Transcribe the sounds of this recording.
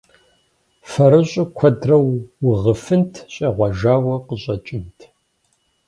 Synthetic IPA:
fɐɾɨɕʼʊkʷʰɐdrɐwːʊʁəfɨntʰɕʼeːʁʷɑʒaːwɐqəɕʼɐt͡ʃʼɪntʰ

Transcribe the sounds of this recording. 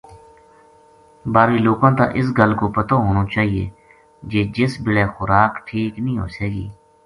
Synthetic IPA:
baːɾiːloːkãːt̪ã̰ːʔɪs̬ɡəlkoːpət̪oːɦoːnoːt͡ʃaːɦiḛː | d͡ʒeːd͡ʒɪsbɪleːxʊɾaːkʈʰiːknĩːɦo̰ːseːɡḭː

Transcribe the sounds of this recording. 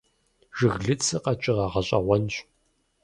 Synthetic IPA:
ʒɨɣɮɨt͡sʰɨqɐt͡ʃʼɪʁɑʁɐɕʼɐ̰ʁʷɔnɕʷ

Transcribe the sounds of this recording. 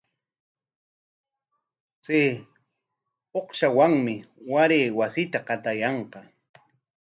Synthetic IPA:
se | oqʃawaŋmɪwaɾeːwasɪt̪aqɑt̪ajɑɴqɑ

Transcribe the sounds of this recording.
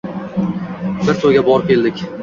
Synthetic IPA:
bɪɾt̪ʰoɡʲabɒɾp̚kʲʰe̞ld̪ɪkʲ

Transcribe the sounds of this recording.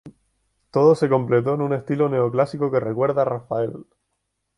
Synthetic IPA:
t̪o̞ðo̞se̞kõ̞mple̞t̪o̞enũne̞st̪ilo̞neoklasikoke̞re̞kwe̞ɾðarafae̞l

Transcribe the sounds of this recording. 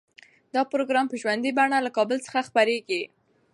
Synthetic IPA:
d̪̥ɑpɾoɡɾɑmpəʒwand̪ibaɳalakɑbəlt͡sə̥xaxpaɾeɡi

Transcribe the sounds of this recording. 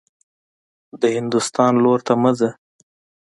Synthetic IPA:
d̪əhɪnd̪ʊst̪ɑnloɾt̪aməzə

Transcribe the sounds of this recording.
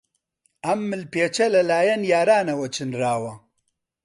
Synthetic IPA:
ɐmːɨlpeːt͡ʃʰɐlɐlaːjɐnjaːɾaːnɐwɐt͡ʃʰɨnraːwɐ

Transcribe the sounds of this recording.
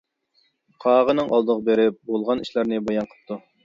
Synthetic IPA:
qʰɑːʁənɨŋʔɑlˠd̪əʁəbeɾɪp̚bolˠʁɑniʃlæɾnɨbɑjɑɴqʰə̥p̚t̪ʰu

